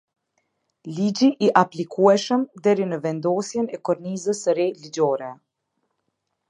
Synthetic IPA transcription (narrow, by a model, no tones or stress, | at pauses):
lid͡ʑiʔːʔaplikʰuɛʃəmd̪ɛɾinəvɛnd̪ɔsjɛnɛkɔɾnizəsɾɛlid͡ʑɔɾɛ